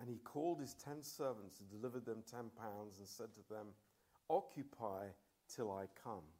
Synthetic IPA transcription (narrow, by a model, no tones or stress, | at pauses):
ɨ̃nikʰɔlˠd̚ɨz̥tʰɛ̃nsɜ˞və̃n̩tsə̃n̩dɨlɪvə˞d̪̚ðɨ̃mtʰɛ̃npʰãʊ̃ndzə̃n̩sɛd̚tʰəðə̃m | ɑkʰjɨpʰaɪ | tʰɨlˠaɪkʰʌ̃m